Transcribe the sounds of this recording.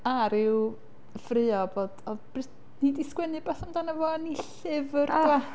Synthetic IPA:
aɾɪw | frɨɔbod̥ɔðb̥rɪ | nidiskwɛnɨbɛθamdanəvɔniɬɪvərdwa

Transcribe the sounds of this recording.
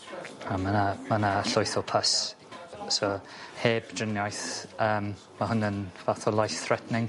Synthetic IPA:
amanamanaɬʊjθɔpʰas | soheːbdrɪnjajθəːm | maɦʊnənvaθɔlˠajθθrɛtnɪŋ

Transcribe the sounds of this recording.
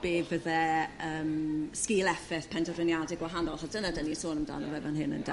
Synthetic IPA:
b̥eːbvəðɛəːmskiːlˠɛfɪθpʰɛntʰɔrɪnjadɪɡwaɦanɔlˠχɔsd̥ənadənisoːnəmda̰ːnɔvɛvanɦɨnə̰nda

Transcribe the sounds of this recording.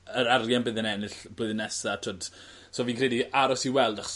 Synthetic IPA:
əɾarjanbɨðənɛnɨɬblˠoɨðnɛsatʰoːd̥ | soːviːnkʰrɛdiaɾɔsiwɛlˠdaχɔ̥s

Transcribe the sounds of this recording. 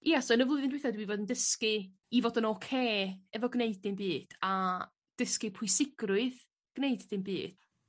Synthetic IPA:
jɛasɔənəvlˠʊɨðɪndwejθadwivoːdəndəskɨ | ivoːdənɔkʰeːɛvɔɡneɨdɪmbɨːd̥a | d̥əskɨpʰʊjsɪɡ̥rʊɨð | ɡ̥neɨdðɪmbḭːd̥

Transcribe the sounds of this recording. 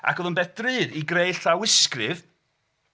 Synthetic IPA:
a̰kʰɔðˠʊnbɛθd̥rɨːɾiɡrejɬawɪskrɨð

